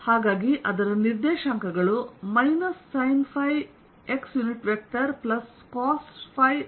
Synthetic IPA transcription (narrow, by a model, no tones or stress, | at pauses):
haːɡaːɡiʔɐd̪ɐɾɐniɾd̪ɛːʃɐŋkɐɡɐɭumɐjnɐsːɐjnpʰɐj | eksjuniʈʋek̚ʈɐɾplɐs | kaːspʰɐj